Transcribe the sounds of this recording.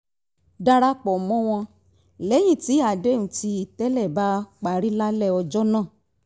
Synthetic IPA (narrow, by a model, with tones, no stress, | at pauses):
da˧ɾa˦k͡pɔ˨mɔ̃˦w̃ɔ̃˧ | lɛ˨˦j̃ĩ˦˨ti˨˦a˨de˦˨ũ˦ti˧i˨tɛ˦lɛ˦˨ba˦k͡pa˨ɾi˦la˦lɛ˦˨ɔ˧d͡ʒɔ˦nãː˦˨